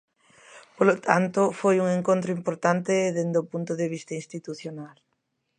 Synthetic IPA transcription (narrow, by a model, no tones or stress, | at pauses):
polot̪ʰant̪ʊfojuŋẽŋkõnt̪ɾʊimpoɾt̪ant̪ɪðend̪opunt̪ʊðeβ̞ist̪ainst̪it̪uθjonal